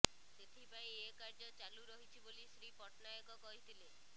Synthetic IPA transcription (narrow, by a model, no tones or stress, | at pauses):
set̪ʰipaĩekaɾd͡ʒɔt͡ʃaluɾɔɦit͡ʃʰibolisɾipɔʈnajɔkɔkɔɦit̪ʰile